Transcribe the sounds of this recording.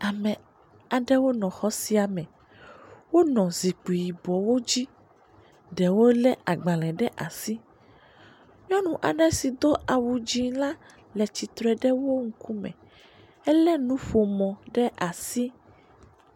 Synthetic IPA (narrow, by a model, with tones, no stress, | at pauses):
a˨mɛ˨ | a˨ɖɛ˦wo˦nɔ̃˨xɔ˦si˦a˨mɛ̃˨ | wo˦nɔ̃˨zi˨k͡pi˨ji˨bɔ˨wo˦d͡ʑi˦ | ɖɛ˨wo˦lɛ˦ʔa˨ɡ͡bã˨lɛ̃˨ɖɛ˦ʔa˨si˦ | ɲɔ̃˦nũ˨ʔa̰˨ɖɛ̃˦si˨d̪o˦ʔa˨wu˨d͡ʑi˦lã˦ | lɛ˨t͡ɕi˨t̪ɾɛ˦ɖɛ˦wo˦ŋ̩˦ku˦mɛ̰̃˨ | ɛ˦lɛ˦nũ˦ɸo˨mɔ̃˨ɖɛ˦ʔa˨si˦